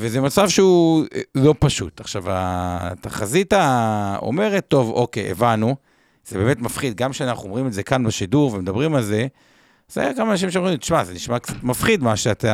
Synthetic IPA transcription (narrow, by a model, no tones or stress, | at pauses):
vezemat͡savʃeulo̞paʃṵtaχʃava̰t̪aχazitao̰me̞ʁet̪ːo̞vo̞kejʔḛvanu | z̥ebe̞ːme̞tmafχid̪̚ɡamkʃeanaχuomʁimeze̞kanbeʃiduʁvemed̪abʁimalze̞ | za̰jakamaːnaʃ̬imʃ̬eomimt̪i̥ʃmazeniʃmakt͡satmafχid̪maʃeat̪a